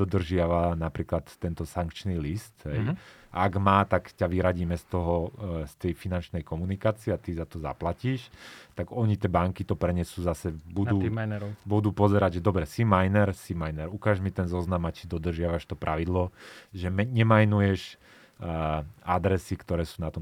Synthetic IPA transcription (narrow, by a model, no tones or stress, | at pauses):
d̪ɔd̪r̩ʒɪaʋanapɾiːklat̪ːɛnt̪ɔsaŋkt͡ʃnilist̪ɦɛjaːɡmaːt̪akcaʋiɾaɟiːmɛst̪ɔɦɔst̪ɛjfinant͡ʃnɛjkɔmunikaːt͡siɛat̪izat̪ɔza̰placiːʃt̪aɡɔɲit̪ɛbaŋkit̪ɔpɾɛɲɛsuːzasɛbud̪uːiajnɛɾɔbud̪uːpɔzɛɾaɟʒɛd̪ɔbɾɛsimajnɛɾsimajnɛɾukaːʒmit̪ɛnzɔznamat͡ʃid̪ɔd̪r̩ʒɪaʋaʃt̪ɔpɾʔaʋid̪lɔʒɛmɛɲɛmajnujɛʃ | ad̪ɾɛsikt̪ɔɾɛːsuːnat̪ɔm